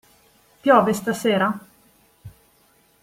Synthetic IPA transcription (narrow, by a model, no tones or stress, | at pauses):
pjɔːvest̪aseːɾa